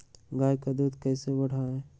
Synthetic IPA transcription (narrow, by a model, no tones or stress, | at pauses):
ɡaːjkad̪uːd̪kɛːsebəɽ̤aɦɛː